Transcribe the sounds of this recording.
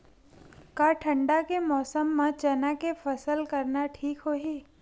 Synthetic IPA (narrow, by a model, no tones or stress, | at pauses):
kaːʈʰə̃ɳɖakemɔːsəmːãt͡ʃɐnakefəsəlkəɾnaʈʰiːkɦoːɦeː